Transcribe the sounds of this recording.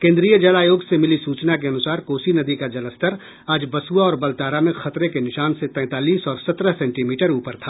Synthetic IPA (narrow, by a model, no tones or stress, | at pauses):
kẽːnd̪ɾiːjəd͡ʒɐlaːjoːɡsemɪlisuːt͡ʃnak̬eɐnʊsaːɾkoːsinɐd̪ikad͡ʒɐləst̪əɾ | aːd͡ʒbɐsuaɔːɾbɐlt̪aːɾamẽxɐt̪ɾekenɪʃaːnset̪ɛ̃ːt̪aːliːsɔːɾsɐt̪ɾəɦsɛ̃ːɳʈiːmiːʈəɾuːpəɾt̪ʰaː